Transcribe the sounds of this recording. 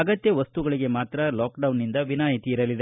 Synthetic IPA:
ɐɡɐt̪jɐʋɐst̪uɡɐɭiɡe̞maːt̪ɾɐlaːkɖɐwnːind̪ɐʋinaːjit̪iːɾɐlid̪e

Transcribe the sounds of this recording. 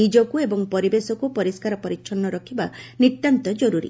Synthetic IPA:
id͡ʒɔkuebɔŋpɔɾibesɔkupɔɾiskaɾɔpɔɾitːʃʰɔnːɔɾɔkʰibanit̪ːant̪ɔd͡ʒɔɾuɾḭ

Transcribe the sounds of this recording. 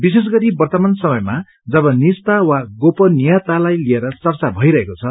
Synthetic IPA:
bis̬es̬ɡʌɾibʌrt̪ʌmansʌmʌjma | d͡zʌbʌnist̪awaɡopʌnijat̪alajlieɾʌt͡sʌrt͡sabʱʌiɾʌɦekot͡sʰʌ

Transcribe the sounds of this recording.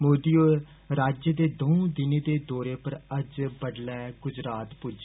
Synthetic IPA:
moːd̪iːoː | ɾaːd͡ʒjəd̪eːd̪oõd̪ɪneːd̪eːd̪oːɾeːpəɾəd͡ʒbəɖlɛːɡʊd͡ʒɾaːt̪pʊd͡ʒ

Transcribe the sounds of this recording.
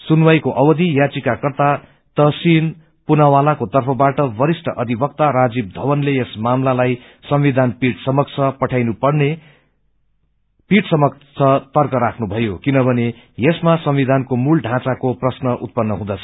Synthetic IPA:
sunwajkoʔʌwʌd̪ijat͡sikakʌrt̪a | t̪ʌsin | punawalakot̪ʌrpʰʌbaʈʌbʌɾisʈʰʌʔʌd̪ʱibʌk̚t̪aɾad͡zib̚d̪ʱʌwʌnlejesmamlalaj | sʌmʋid̪ʱanpiʈsʌmʌk̚t͡sʰʌpʌʈʰajnupʌrne | piʈsʌmʌkt͡sʰʌt̪ʌrkʌɾakʰnubʱʌjokinʌbʱʌne | jesmasʌmʋid̪ʱankomulɖʱãt͡sakoprʌsnʌʔut̪̚pʌnːʌɦũd̪ʌt͡sʰʌ̥

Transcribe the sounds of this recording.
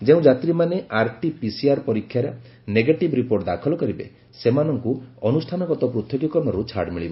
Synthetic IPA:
d͡ʒeũd͡ʒat̪ɾimaneʔaɾʈipisiaɾpɔɾikʰːjaɾɔ | neɡeʈibɾipoɾʈd̪akʰɔlɔkɔɾibḛ | semanɔŋkuɔnusʈʰanɔkɔt̪ɔpɾut̪joɡɔkɔɾɽ̃ɔɾut͡ʃʰa̰ɾɽmiɭibɔ

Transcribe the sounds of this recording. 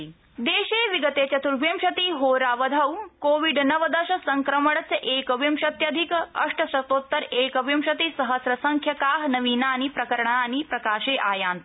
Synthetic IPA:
d̪eːʃeːʋiɡɐt̪eːt͡ɕɐt̪uɾʋimʃɐt̪iːɦoːɾaːʋɐd̪ʱɐwkoːʋiɖnɐʋɐd̪ɐʃɐsɐŋkɾɐmɐɽɐt͡sɐʔeːkɐʋimʃɐt̪jɐd̪ʱikɐ̰ʂʈɐsɐt̪oːt̪ːɐɾeːkɐʋimʃɐt̪isɐɦɐsɾɐsɐŋkʰjɐkaːɦnɐʋiːnaːnipɾɐkɐɾɐɳaːnipɾɐkaːʃeːʔaːjaːnt̪

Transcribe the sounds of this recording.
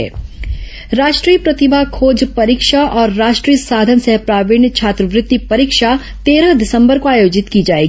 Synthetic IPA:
ɛ̰ː | ɾaːʃʈɾiːjəpɾɐt̪ɪbʱakʰoːd͡ʒpɐɾikʃaʔɔːɾːaːʃʈɾiːjəsaːd̪ʱənsɛɦpɾaːʋɪɳ̃jət͡ʃʰaːt̪ɾəʋɾɪt̪ːipɐɾikʃa | t̪eːɾəɦd̪ɪsə̃mbəɾkoaːjoːd͡ʒɪt̪kid͡ʒaːeːɡi

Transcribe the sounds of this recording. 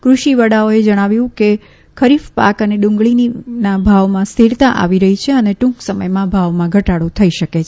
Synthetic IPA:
kɾuʃiʋəɽaoed͡ʒəɽ̃aʋjũke | kʰəɾifpa̰kəneɗũŋɡɭininabʱaʋmãst̪ʰiɾt̪ãʔa̰ʋiɾəɦit͡ʃʰeəneʈũŋksəməjmãbʱaʋmãɡʱəʈaɽũt̪ʰəiʃəke

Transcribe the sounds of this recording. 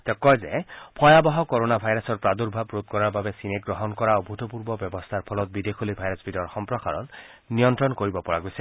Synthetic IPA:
t̪ɛkɔjzɛpʰɔjabɔɦɔkɔɹonabʱajɹasɔɹpɹad̪uɹbʱabɹot̪̚kɔɹaɹbabɛsineɡɹɔɦɔnkɔɹaʊbʱutɔpuɹbɔbjɔbɔst̪ʰaɹpʰɔlɔt̪̚bid̪ekʰolibʱajɾɔsbʱidɔɹxɔmpɹɔka̰ɹɔ̰nnijɔntɹɔnkoɹibɔpɔɹaɡojsɛ

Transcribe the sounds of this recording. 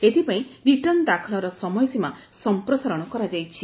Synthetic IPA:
et̪ʰipaĩɾiʈɔnd̪akʰɔɭɔɾɔsɔmɔjsima | sɔmpɾɔsaɾɔɽ̃ɔkɔɾad͡ʒajt͡ʃʰi

